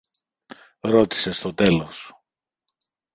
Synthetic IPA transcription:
ɾo̞t̪i̥se̞st̪o̞t̪e̞lo̞s

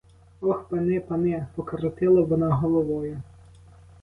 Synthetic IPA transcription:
ɔxpɐnɪpɐnɪpɔkɐɾɔt̪ɪlˠɐʋɔnaɦɔlˠɔʋɔjʊ

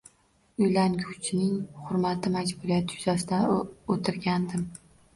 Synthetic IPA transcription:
ʊjlankʲʰʊt͡ʃʰnɪŋhʊɾmat̪ʰɪmad͡ʒbʊɾijat̪ʰɪjʊzasɪd̪aot̪ʰɪɾɡʲand̪ɪm

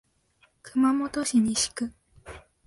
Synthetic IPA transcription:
kɯ̟mamot̪oɕiɲ̟iɕi̥kɯ̟

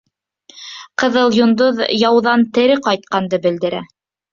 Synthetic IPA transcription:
qɤ̆ðɤlˠjŏnd̪oðjɑwðɑnt̪ɘ̆ɾɘqɑjt̪̚qɑnd̪ɤbɘ̆ld̪ɘ̆ɾæ

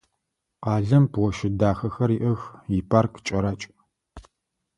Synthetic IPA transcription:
qɑːɮɐmpwɔʃɪdaːxɐxɐriʔɐxjipʰaːrkʰt͡ʃʼɐɾat͡ʃʼ

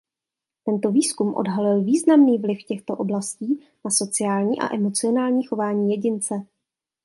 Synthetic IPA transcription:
t̪ɛnt̪o̞viːskumʔo̰dɦalɪlviːznamniːvlɪfcɛxt̪o̞ʔo̞blasciː | naso̞t͡sɪaːlɲiːʔa̰ʔɛmo̞t͡sɪo̞naːlɲiːxo̞vaːɲiːjɛɟɪnt͡sɛ

